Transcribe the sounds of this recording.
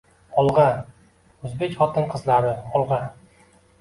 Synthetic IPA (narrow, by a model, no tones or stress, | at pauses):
ɒlˠʁɑ | ɵzbekʲχɒt̪ɨnqʰɨzlˠaɾɪɒlˠʁɑ